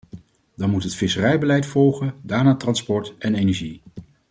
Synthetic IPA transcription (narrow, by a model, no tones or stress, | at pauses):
dɑnmutɦətfɪsərɛjbəlɛjtfɔlˠχəndaːɹnaːtrɑnspɔɹtɛnejnɛɹʒi